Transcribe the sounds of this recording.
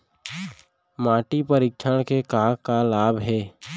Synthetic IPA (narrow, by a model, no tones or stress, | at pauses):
maːʈipəɾɪkʃʰəɽ̃kekaːkalaːbɦɛː